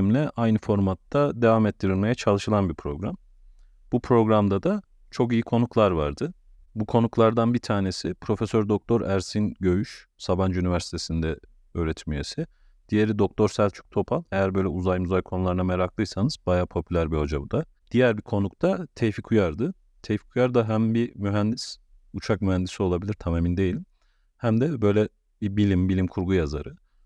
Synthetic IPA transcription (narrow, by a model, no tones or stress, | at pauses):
mlʲɛʔajnɯfo̞ɾmat̪ːad̪e̞vaːmɛt̪ːiɾilʲme̞jɛt͡ʃʰalˠɯʃɯlˠanbipʰɾo̞ɡɾam | bupʰɾo̞ɡɾamd̪ad̪a | t͡ʃʰo̞kijikʰo̞nuklˠaɾvaɾd̪ɯ | bukʰo̞nuklˠaɾd̪anbit̪ʰaːne̞sipʰɾo̞fe̞søɾd̪o̞k̚t̪ʰo̞ɾæɾsinɟø̞jyʃsaband͡ʒynivæɾsi̥t̪ʰesind̪ɛ | øːɾɛt̪ʰimijesi | d̪̥ijeɾid̪o̞k̚t̪ʰo̞ɾsælʲt͡ʃʰy̥k̚t̪ʰo̞pʰanˠejæɾbø̞jlʲɛuzajmuzajkʰo̞nulˠaɾɯnameɾaklˠɯjsanɯz̥bajaːpʰo̞pʰylʲæɾbiho̞d͡ʒabud̪a | d̪̥ijæɾbikʰo̞nukt̪ʰat̪ʰejfikʰujaɾd̪ɯ | t̪ʰejfi̥kʰujaɾd̪aɦæmbimyɦænd̪is | ut͡ʃʰak̚myhænd̪isio̞lˠabilʲiɾt̪ʰamemind̪e̞jilʲim | hæmd̪ɛbø̞jlʲɛ | bibilʲimbilʲimkʰuɾɡujaza̰ɾɯ